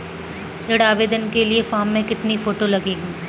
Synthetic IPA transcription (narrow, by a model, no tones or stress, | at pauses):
ɾɪɽaːʋeːd̪ənkeliefaːmːẽkɪt̪nifoːʈolɐɡiːɡũː